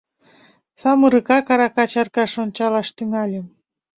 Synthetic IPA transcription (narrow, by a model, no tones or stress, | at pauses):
sɑməɾɯkɑkɑɾɑkɑt͡ɕɑrkɑʃont͡ɕɑlɑʃt̪yŋɑlʲem